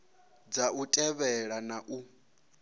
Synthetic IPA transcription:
d͡zautʼɛβɛɺanaʔu

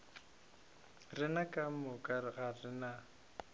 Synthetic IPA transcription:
rɪnakʼam̩mʊkʼaɣarɪna

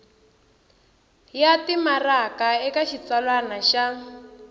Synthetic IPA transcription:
jatimarakaɛkaʃit͡salwanaʃa

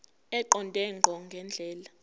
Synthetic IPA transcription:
ɛǃɔntʼɛŋɡʱɔŋɡʱɛnd͡ɮʱɛːla

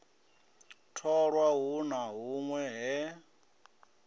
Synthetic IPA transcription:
tʰɔɺwaɦunaɦuŋwɛɦɛ

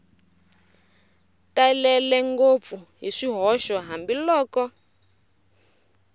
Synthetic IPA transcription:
talɛlɛŋɡop̪fuɦiʂiɦɔʃɔɦambilɔːkɔ

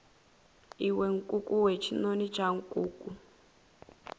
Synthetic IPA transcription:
iweŋ̩kʼukʼuwet͡ʃʰinonit͡ʃʼaŋ̩kʼuːkʼu

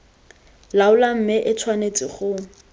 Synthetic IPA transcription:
laʊlam̩mɪʔɪt͡sʰwanet͡sʼɪχʊ

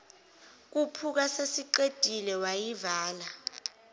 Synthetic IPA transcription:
k̬upʰuk̬asesiǃed̥ʼʱilɛwajivaːla

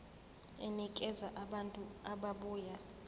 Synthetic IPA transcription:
ɛnikʼɛzaʔaɓantʼuaɓaɓuːja

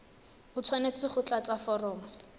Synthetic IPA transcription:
ʊt͡sʰwanet͡sʼɪχʊt͡ɬat͡safɔrɔːmɔ

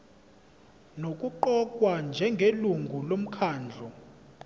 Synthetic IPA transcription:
nokʼuǃɔkʼwand͡ʒʱɛŋɡʱeluŋɡʱulom̩kʰaːnd͡ɮʱɔ

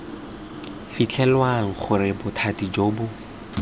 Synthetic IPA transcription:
fit͡ɬʰɛlwaŋ̩χʊrɪbʊtʰatid͡ʒoːbʊ

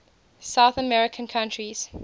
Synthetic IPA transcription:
saʊθəmɛɹɪkʰə̃nkʰãntɹiz̥

